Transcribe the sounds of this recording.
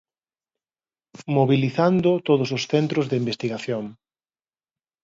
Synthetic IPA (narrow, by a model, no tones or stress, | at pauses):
moβiliθand̪ʊt̪oðʊs̬ʊsθent̪ɾʊzðɪimbest̪iɣaθjoŋ